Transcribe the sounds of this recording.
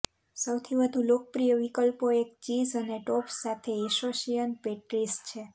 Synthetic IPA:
səwt̪ʰiʋəd̪ʱulok̚pɾijəʋikəlpoek̚t͡ʃizəneʈopsat̪ʰeɛsoʃijənpeʈɾist͡ʃʰe

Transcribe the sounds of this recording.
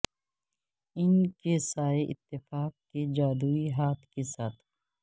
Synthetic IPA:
ɪnkesaːeʔɪt̪ːɪfaːk̚ːked͡ʒaːd̪uːiɦaːt̪ʰkesaːt̪ʰ

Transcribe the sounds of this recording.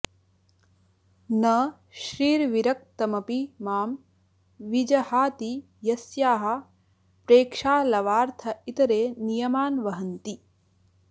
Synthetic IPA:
nɐ | ʃɾiːɾʋiɾɐk̚t̪ɐmɐpimaːm | ʋid͡ʒɐhaːt̪i | jɐsjaːɦɐ̆ | pɾeːkʂaːlɐʋaːɾt̪ʰɐit̪ɐɾeːnijɐmaːnʋɐɦɐnt̪i

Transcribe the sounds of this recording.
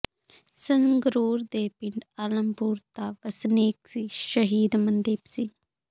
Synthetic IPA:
səŋɡɾuːɾd̪eːpɪɳɖaːləmpuːɾt̪aːʋɐsneːksiʃəɦiːd̪mɐnd̪iːpsi

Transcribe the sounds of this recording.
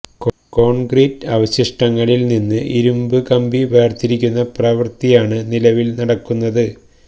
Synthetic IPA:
k | ko̞ːɳɡriːtːɐʋɐɕɐʂʈɐŋːɐɭilninːɨʔiɾumbɨkɐmbiʋe̞ːrt̪iɾikʲːunːɐprɐʋɐrt̪ijaːɳɨnilɐʋilnɐɽɐkːunːɐðɨ

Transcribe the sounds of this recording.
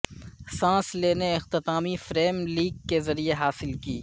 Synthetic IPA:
sãːsleːneɪxt̪ɪt̪aːmifɾeːmliːɡ̚kːezɐɾieɦaːsɪlkiː

